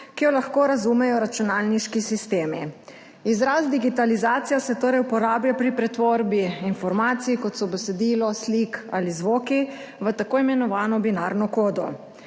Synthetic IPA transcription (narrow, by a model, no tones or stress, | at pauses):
kijɔlaxkoːɾazumɛjɔɾat͡ʃunaːlniʃkisist̪eːmi | izɾasd̪iɡit̪alizaːt̪sijasɛt̪oːɾɛjupɔɾaːblapɾipɾɛt̪ʋoɾbiinfɔɾmaːt̪sijkɔt̪sɔbɛsɛd̪iːlɔslikalizʋoːki | ʋət̪akoːjimɛnɔʋaːnɔbinaɾnɔkoːd̪ɔ̰